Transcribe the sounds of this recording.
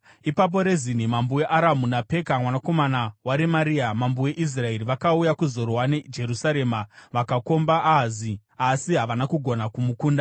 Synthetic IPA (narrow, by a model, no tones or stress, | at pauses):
ipap̬o̞ɾe̞zin̤imambuwe̞ʔaɾamunape̞kamwanako̞manawaɾemaɾiamambuwe̞ʔis̬rae̞ɾiʋakaujakuzo̞ɾoɦwaned͡ʒe̞ɾusaɾe̞maʋakako̞mbaʔazi | asiɦaʋanakuɡʱo̞nakumukuːnda